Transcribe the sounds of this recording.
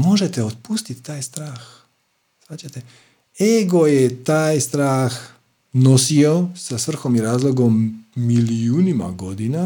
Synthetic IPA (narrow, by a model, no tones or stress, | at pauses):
moʒet̪eot̪̚puːst̪it̪t̪aːjst̪ɾaːx | sʋaːt͡ɕat̪e | eɡojet̪aːjst̪ɾaːx | nosiosasʋr̩xomiɾaːzlˠoɡomːiliuːnima̰ɡo̞d̪ina